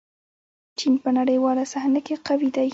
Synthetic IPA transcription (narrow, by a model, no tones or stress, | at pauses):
t͡ʃinpənaɽəjwɑlasahnakeqawid̪aj